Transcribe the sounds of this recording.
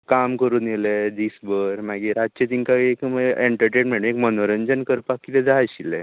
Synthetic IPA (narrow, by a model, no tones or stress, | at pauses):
kamkəɾuːnilɛd̪isbəɾmaɡiɾat͡ɕet̪iŋkaekmeɳʈəɾʈenmɛɽũekmənoɾəɲd͡ʑənkəɾpakːit̪ɛd͡z̪ajɕilɛ